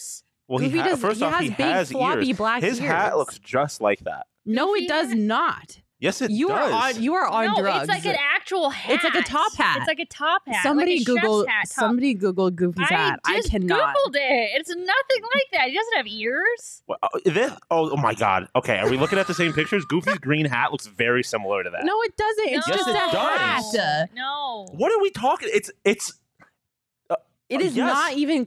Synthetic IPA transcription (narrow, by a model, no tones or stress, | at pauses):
wɛlˠiidʌzfɜ˞shiəibɪɡzlɹbiblækɪz̥hæʔlʊksd̥d͡ʒ̥ʌstˡla̰ɪk̚ðæ̰t̚noʊɪt̚d̥ʌznət̚ | jɛsɨtjɨʌjɨə˞ə̃ndɹʌɨɡlaɪ̥kɨ̃næk̚t͡ʃəl̩ˠhæɨtslaɪkɨtʰɑphæ̰tt̚laɪkɨtʰɑphæsʌ̃mbɑɾiɡuɡl̩ˠætsʌ̃mbɑɾiɡuɡl̩̚ˠɡʉɡl̩ˠz̥ætdaɪkʰænɡutɡl̩ˠdɪt̚ɪtsnʌθɪ̃ŋlaɪk̚ðæt̚hidʌzn̩tɨviɹz̥oðɨoʊoʊmaɪɡɑ̰d̥oʊkʰeɪə˞wilʊkɪ̃ŋɨt̪̚ðɨsẽɪ̃mpɪk̚t͡ʃə˞zɡufizɡɹĩnɦæ̰ʔ̚lʊksvɛɹisɪ̃ml̩ˠə˞ɾɨðæ̰tnoʊɨt̚d̥ʌzɨ̃ntɨtsdd͡ʒ̥ʒʌsɨ̥ʌæənoʊwʌɾə˞witʰɔkɪ̃ŋɪtsɪts | ʌ | ɨɾɨznəɾivɨ̃n